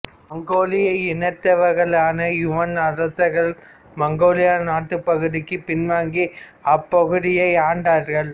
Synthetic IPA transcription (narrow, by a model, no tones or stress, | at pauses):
mɐŋɡoːlɪjɐɪnɐʈ̪ːɐʋɐɾɣɐɭaːnɐjʊʋɐnɐɾɐsɐɣɐɭ | mɐŋɡoːlɪjaːnaːʈːɯpɐɣɯðɪkːɯpɪnʋaːŋɡiɐpːɐɣɯðɪjɐɪaːɳɖaːɾɣɐɭ